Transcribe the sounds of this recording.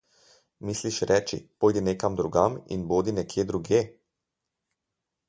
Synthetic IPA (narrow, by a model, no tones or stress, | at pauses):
misliʃɾʔɛːt͡ʃḭpoːjd̪ineːkamd̪ɾuɡamḭnboːd̪inɛkʰjeːd̪ɾuɡjeː